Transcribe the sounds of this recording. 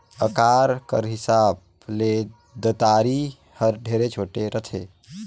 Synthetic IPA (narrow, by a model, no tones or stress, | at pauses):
əkaɾkə̰ɾɦisab̚ | le | d̪ət̪aɾi | həɾɖʱeɾet͡ʃʰoʈeɾət̪ʰe